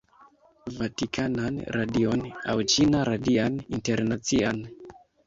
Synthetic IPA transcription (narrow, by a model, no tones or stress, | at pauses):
vatikʰananɾadiona̰wt͡ʃinaɾadianinteɾnat͡sian